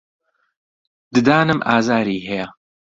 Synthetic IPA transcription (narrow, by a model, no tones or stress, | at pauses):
d̪̥ɨd̪aːnɨmʔaːzaːɾiːɦɛjɐ